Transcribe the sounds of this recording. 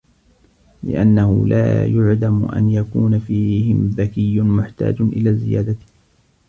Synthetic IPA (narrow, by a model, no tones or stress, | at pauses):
lɪ̰ʔanːahʊ̰la̰ːjʊʕlamʔa̰njakuːnafiːhɪmðakɪjːʊmʊħt̪a̰ːd͡ʒʔɪlaːzɪjaːd̪a